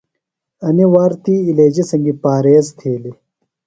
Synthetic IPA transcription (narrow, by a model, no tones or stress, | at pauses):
ɐniwaːɾt̪iːleːd͡ʑisɐŋɡipaːɾeːzt̪ʰeːli